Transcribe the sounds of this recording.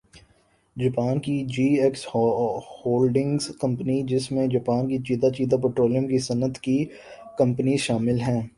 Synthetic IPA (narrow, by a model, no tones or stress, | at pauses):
d͡ʒɐpaːnkid͡ʒiːɛks | hoːlɖɪ̃ŋɡzkɐ̃mpənid͡ʒɪsmẽd͡ʒɐpaːnkit͡ʃiːd̪at͡ʃiːd̪ap̬eːʈɾoːlijəmkisɐnət̪ki | kɐ̃mpənizʃaːmɪlɦɛ̃ː